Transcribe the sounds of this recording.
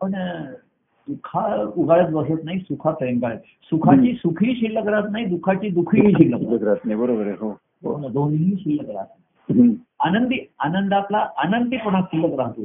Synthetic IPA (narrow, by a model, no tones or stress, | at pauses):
pəɳ | d̪ukʰauɡʱaɭət̪bəsət̪naɦisukʰat̪ɾeŋkaɭət̪ | sukʰat͡ɕiːsukʰiːɕilːəkəɾat̪naɦid̪ukʰat͡ɕiːd̪ukʰiɦiːɕilːəkləkɾat̪naibəɾobəɾeɦo | o̰nad̪onɦiːɕilːəkəɾa̰t̪naiɦanənd̪ianənd̪ap̪laʔanənd̪ipəɳakɕilːəkəɾaɦt̪o